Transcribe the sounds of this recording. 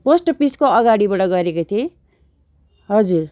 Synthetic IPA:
posʈʌpiskoʌɡaɽibaʈʌɡʌɾekot̪ʰie | ɦʌd͡zur

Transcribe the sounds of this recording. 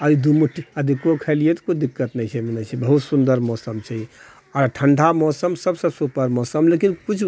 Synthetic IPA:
əid̪umuʈːiəd̪ikːokʰəlijet̪kut͡ʃʰd̪ikːət̪nəjt͡ʃʰɛmenət͡ʃʰɛbəɦut̪sund̪əɾmɔsəmt͡ʃʰɛ | ɔɾʈʰəɳɖʱamɔsəmsəbsəbsupəɾmɔsəmlekinkut͡ʃʰ

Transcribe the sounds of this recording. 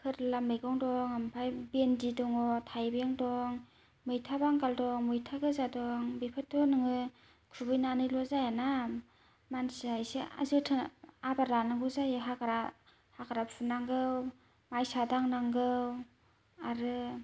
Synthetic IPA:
kʰɯɾlamɯjɡɔŋdɔŋampʰajbendidɔŋɔtʰajbeŋdɔŋ | mɯjtʰabaŋɡaldɔŋmɯjtʰaɡɯzadɔŋbepʰɯtʰːɔnɯŋɯ | kʰubɯjnanɯjlɔzajana | mansiajsea̰zɯtʰɯabaɾanɯŋɡɯzajɦakaɾa | hakaɾapʰunaŋɡɯw | majsadaŋnaŋɡɯw | aɾɯ

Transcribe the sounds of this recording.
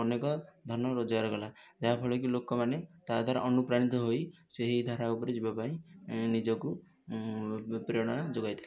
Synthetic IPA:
ɔnekɔd̪ʱɔnɔɾod͡ʒɡaɾɔɡɔlad͡ʒaɦabʰʱɔɭɔkilokɔmanet̪ad̪ʱaɾɔ̰ʔɔnupɾaɽ̃it̪ɔɦojseɦid̪ʱaɾaupɔɾed͡ʒibapaĩnid͡ʒɔku | pɾiɔɽ̃ɔd͡ʒoɡajt̪ʰi

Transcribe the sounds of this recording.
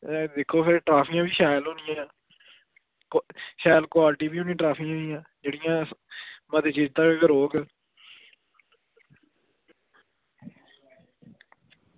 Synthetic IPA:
d̪ɪkʰːoːpʰɪɾʈɾaːpʰĩãːbiːʃaːjlɦoːnɪjãː | kʃɛːlkwaːlʈiːbiːɦõːnĩːʈɾaːpʰiːãːiːãːd͡ʒeːɽɪjãːməd̪eːt͡ʃiːd͡ʒt̪ãːeːɡəɾoːɡ

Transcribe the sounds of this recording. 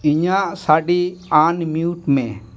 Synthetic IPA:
iɲaʔsaɖianmiuʈmɛ̃

